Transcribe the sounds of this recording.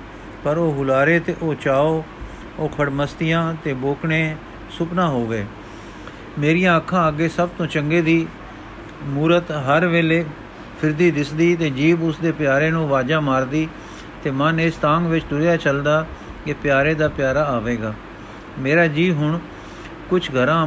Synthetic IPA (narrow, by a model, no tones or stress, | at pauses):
pəɾoːɦʊlaːɾeːt̪eːʔoːt͡ʃaːoː | oːkʰəɽməst̪ɪjãːt̪eːboːkɳeː | sʊpnãːɦoːʋeː | meːɾɪjãːəkʰːãːəɡeːsəb̚t̪õːt͡ʃəŋɡeːd̪iː | muːɾət̪ɦəɾʋeːleː | pʰɪɾd̪iːd̪ɪsd̪iːt̪eːd͡ʒiːbʊsd̪eːpɪjaːɾeːnũːʋaːd͡ʒaːmaːɾd̪iː | t̪eːmənɪst̪ãːŋɡʋɪt͡ʃd̪ʊɾjaːt͡ʃəld̪aː | kepjaːɾeːd̪aːpɪjaːɾaːaːʋeːɡaː | meːɾaːd͡ʒiːɦʊɳ | kʊt͡ʃʰɡʱəɾãː